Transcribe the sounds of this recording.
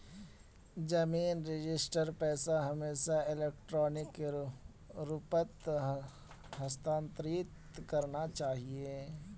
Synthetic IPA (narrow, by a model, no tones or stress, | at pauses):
d͡ʒɐmiːnɾɪd͡ʒɪsʈəɾpɛːsaɦɐmeːʃaɪleːk̚ʈɾɔːnɪk | ɾʊpət̪ | ɦɐst̪ãːnt̪ɾiːt̪ | kɐɾnat͡ʃaːɦie